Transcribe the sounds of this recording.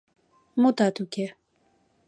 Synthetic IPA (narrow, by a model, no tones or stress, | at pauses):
mot̪at̪ukɛ